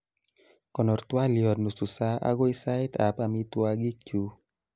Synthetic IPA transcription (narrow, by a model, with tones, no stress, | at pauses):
kɔ˨nɔ˨rt̪wa˦ljɔ˨dnu˨su˨sa˦ʔa̰˦ɡɔ˦i˦sa˦ɪ˦t̪ʰa˨pa˨mi˦t̪wa˦ɡi˦t͡ʃu˦